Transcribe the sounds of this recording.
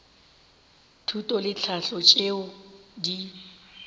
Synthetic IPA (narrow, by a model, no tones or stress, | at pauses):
tʰutʼɔlɪt͡ɬʰaɬɔt͡ʃʼeʊdi